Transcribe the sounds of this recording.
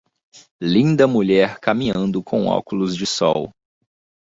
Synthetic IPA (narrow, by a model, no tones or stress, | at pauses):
lĩnd̪ɐmuʎɛɾkamĩɲɐ̃nd̪ʊkʰõw̃ɔ̰kʊlʊzd͡ʒɪsɔw